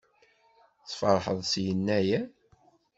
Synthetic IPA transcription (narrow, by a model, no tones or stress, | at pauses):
θfɑɾˤħəðˤsjənːæjæ